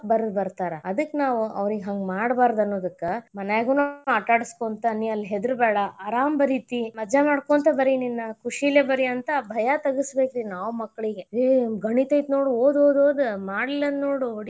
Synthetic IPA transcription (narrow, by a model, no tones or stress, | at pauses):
bɐɾɐd̪bɐɾt̪aːɾɐɐd̪ɨkːnaːʋuɐ̰ʋɾiɡeɦɐŋɡmaːɽbaːɾd̪ɐnːoːd̪ɐkːemɐnaːjɡunoaːʈaːɽiskoːnt̪ɐniɐlːɦed̪ɾbɛːɽɐːɾaːmbɐɾit̪imɐd͡ʒamaːɽkoːnt̪ɐbɐɾininːɐkuʂilebɐɾiɐnt̪ɐbʱɐjɐt̪ɐɡisbeːkɾinaːʋumɐkːɐɭiɡeeɡɐɳit̪ɐjt̪no̞ːɽuoːd̪oːd̪oːd̪maːɽilɐnnoːɽuoɽi